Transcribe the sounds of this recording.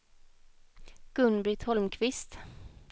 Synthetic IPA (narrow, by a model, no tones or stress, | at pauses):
ɡ̥ɵnbɾɪt̪ʰhɔlmkʰvɪst̪